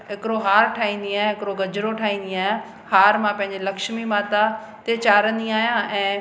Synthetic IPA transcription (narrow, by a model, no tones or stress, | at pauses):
ɦɪkɪɾoɦaːɾʈʰaːĩːn̆d̪iaːjẽɦɪkɾoɡɐd͡ʑɾoʈʰaːĩːnd̪iaːjã | haːɾmãpɐ̃ɦɪ̃ɲd͡ʑelɐkʃmimaːt̪a | t̪et͡ɕaːɾə̃nd̪iaːɦijãːɛ̃ː